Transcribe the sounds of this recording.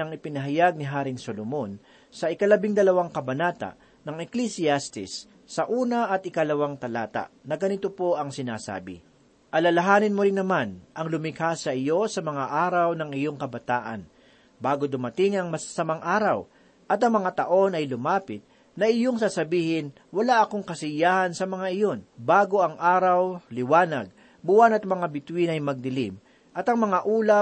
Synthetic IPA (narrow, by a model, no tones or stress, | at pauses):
ɐŋɪpɪnɐɦɐjaɡ̚nɪɦaːɾɪŋsolomon | sɐɪkɐlɐbɪŋd̪ɐlɐwaŋkɐbɐnaːt̪a̰ʔ | nɐŋɛklisɪast̪ɪsː | ɐʔuːnɐʔɐt̪ɪkɐlɐwaŋt̪ɐlaːt̪a̰ʔnɐɡɐnɪt̪opo̞ʔɐŋsɪna̰ːsa̰ːbɪ̰ | ʔɐlɐlɐɦaːnɪnmoɾɪnːɐmanʔɐŋlʊmɪkaːsɐʔɪjo̞sɐmɐŋaʔaːɾɐwnɐŋɪjo̞ŋkɐbɐt̪aːʔɐ̰n | baːɡod̪ʊmɐt̪ɪŋɐŋmɐsḁsɐmaŋʔaːɾɐw | ʔɐt̪ɐŋmɐŋat̪ɐʔo̞nɐjlʊmaːpɪt̪̚ | nɐʔɪjoŋsaːsɐbiːhɪn | wɐlaʔɐkoŋkɐsɪjaːhɐnsɐmɐŋaʔɪjonbaːɡo̞ʔɐŋʔaːɾɐwlɪwaːnɐ̰ɡ̚ | bʊwanɐt̪̚mɐŋabɪt̪winɐjmɐɡ̚d̪ɪlḭm | ʔɐt̪ɐŋmɐŋaʔuːlɐ